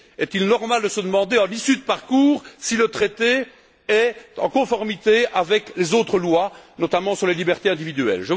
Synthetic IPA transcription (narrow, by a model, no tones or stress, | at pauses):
ɛt̪ilnɔʁmald̪əsəd̪əmɑ̃d̪eɑ̃lisyd̪əpaʁkuːʁsilət̪χet̪e | ɛɑ̰̃kɔ̃fɔʁmit̪eavɛklezot̪χəlwanɔt̪amɑ̃syʁlelibɛʁt̪eɛ̃d̪ivid̪yɛ̰lʒə